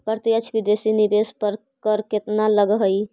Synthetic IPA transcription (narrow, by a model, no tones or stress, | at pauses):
pəɾt̪ijət͡ʃʰbid̪esinibespəɾ | kəɾket̪naləɡɦəj